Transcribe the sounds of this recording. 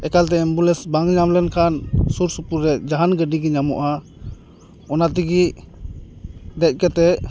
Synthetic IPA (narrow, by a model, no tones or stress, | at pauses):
ɛkalt̪ɛɛmbulɛsbaŋɲamlɛnkʰansuɾsupuɾːɛd͡ʒaɦanɡəɖiɡiɲamɔʔa | ɔnat̪̬iɡi | d̪ɛc̚ˀkɛt̪ɛ